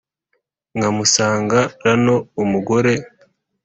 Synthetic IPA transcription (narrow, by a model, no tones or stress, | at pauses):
ŋɡamusaːŋɡaɾano̞umuɡoɾe̞